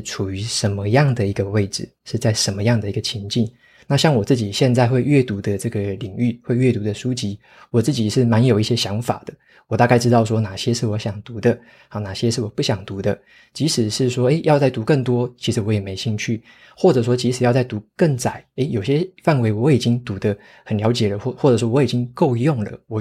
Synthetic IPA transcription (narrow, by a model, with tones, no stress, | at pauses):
ʈ͡ʂʰu˨˩y˧˥ʂə˧˦nmə˧jɑ˥˨˩ŋd̪ə˩i˧˥ɡə˧we˥˩ɪʈ͡ʂɻ̩˨˩ʂɻ̩˥˧t͡sa˥˩ɪʂə˧˦˥nmə˧jɑ˥˩ŋd̪ə˩i˧˥ɡə˧t͡ɕʰi˧˥ŋt͡ɕi˥˩n | na˥˧ɕjɑ˥˩ŋwɔ˨˩t͡sɹ̩˥˩t͡ɕi˨˩ɕjɛ˥˧nt͡sa˥˧ɪxwe˥˧ɪɥɛ˥˩t̪u˧˥d̪ə˧ʈ͡ʂɤ˥˩ɡə˩li˨˩ŋy˥˩xwe˥˧ɪɥɛ˥˩t̪u˧˥d̪ə˧ʂu˥t͡ɕi˥ | wɔ˨˩t͡sɹ̩˥˩t͡ɕi˨˩ʂɻ̩˥˩ma˧˥njo˨˩ʊi˥˩ɕjɛ˦˥ɕjɑ˧˥ŋfa̰˨˩d̪̥ə˦ | wɔ˨˩t̪a˥˧ka˥˧ɪʈ͡ʂɻ̩˥t̪ɑ˥˧ʊʂwɔ˥na˨˩ɕjɛ˦˥ʂɻ̩˥˩wɔ˧˥ɕjɑ˨˩ŋt̪u˧˥d̪ə˧ | hɑ˧˩na˨˩ɕjɛ˦˥ʂɻ̩˥˩wɔ˨˩pu˥˩ɕjɑ˨˩ŋt̪u˧˦˥d̪ə˧ | t͡ɕi˧˥ʂɻ̩˨˩ʂɻ̩˥˩ʂwɔ˥e˥˩ɪjɑ˥˧ʊt͡sa˥˩ɪt̪u˧˥kə˥˩ŋt̪wɔ˥t͡ɕʰi̥˧˥ʂɻ̩˧˦wɔ˧˥jɛ˨˩me˧˥ɪɕi˥˧ŋt͡ɕʰy˥˩ | xwɔ˥˩ʈ͡ʂɤ˨˩ʂ̬wɔ˥t͡ɕi˧˥ʂ̩˨˩˦jɑ˥˧ʊt͡sa˥˩ɪt̪u˧˦kə˥˩ŋt͡sa˨˩˦ɪe˥ɪjo˨˩ʊɕjɛ˦˥fa˥˩nwe˧˥ɪwɔ˨˧˥i˨˩t͡ɕi˦˥ŋt̪u˧˦˥d̪ə˧ | xə˨˩nljɑ˧˥ʊt͡ɕjɛ˨˩lə˦˥xwɔ˥˩ʈ͡ʂɤ˨˩ʂwɔ˥wɔ˧˥i˨˩t͡ɕi˦ŋko˥˧ʊjʊ˥˩ŋlə̰˩wɔ˨˩